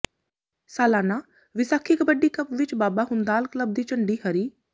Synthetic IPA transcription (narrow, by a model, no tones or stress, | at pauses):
saːlaːnaː | ʋɪsaːkʰɪkbəɖiːkəpʋɪt͡ʃbaːbaːɦʊnd̪aːlkləb̚d̪iːt͡ʃəɳɖiːhəɾiː